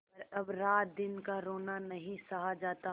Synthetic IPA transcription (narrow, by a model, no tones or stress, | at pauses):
pɐɾɐbɾaːt̪̚d̪ɪnkaɾoːnanɐɦĩsɐɦad͡ʒaːt̪a